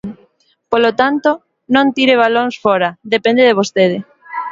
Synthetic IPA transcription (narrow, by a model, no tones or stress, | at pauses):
polot̪ant̪o | nõnt̪iɾeβaloŋsfɔɾaðepẽnd̪eðeβ̞ost̪eð̞ɪ